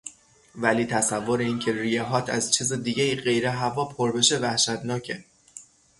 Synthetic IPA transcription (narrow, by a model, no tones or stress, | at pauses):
væliːt̪ʰæsævːoɾeiːncʰe̞ɾijeɦɒːt̪ʰæ̰zt͡ʃʰiːzed̪iːɟeiːɢe̞jɾeɦævɒːpʰoɾbe̞ʃevæhʃæt̪nɒːcʰe